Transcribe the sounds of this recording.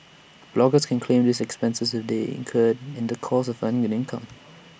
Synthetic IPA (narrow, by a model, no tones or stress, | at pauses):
b̥lɔɡəskʰɛ̃nkʰlẽmdisɛkspɛ̃nsəsədeɪ̰̃nkʰədɪ̃ndəkʰɔsɔvãñŋɛ̃nɪ̃nkʰã̰m